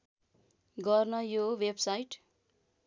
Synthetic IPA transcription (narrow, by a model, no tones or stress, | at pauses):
ɡʌrnʌjowebsajʈ